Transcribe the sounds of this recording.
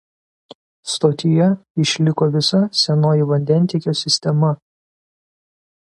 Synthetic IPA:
st̪oːt̪ʲɪjɛɪʃʲlʲɪkoːʋʲɪsɐsʲɛnoːjɪʋɐnʲd̪ʲɛnʲt̪ʲiɛkʲoːsʲɪsʲt̪ʲɛmɐ

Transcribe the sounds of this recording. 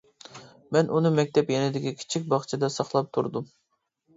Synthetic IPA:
mɛnunɨmɛk̚ʲt̪ʰɛpjɛnɪd̪ɪkʲikʲʰi̥t͡ʃʰik̚ʲbɑχt͡ʃʰɨd̪ɑsɑχlˠɑp̚t̪ʰuɾd̪um

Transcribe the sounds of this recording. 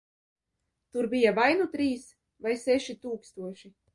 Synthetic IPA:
t̪uɾbijavajnut̪ɾiːs | vajsɛʃit̪uːkst̪uɔʃi

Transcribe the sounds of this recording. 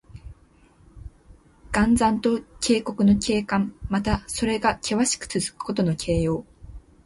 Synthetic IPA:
ɡ̥ãnd͡zãnt̪o̞kʰʲe̞ːko̞kɯ̟no̞ke̞ːkãmmat̪aso̞ɾe̞ɡakʲʰe̞βaɕi̥kɯ̟̥t͡sɨzɨ̥kɯ̥ko̞t̪o̞no̞kʰe̞ːjo̞ː

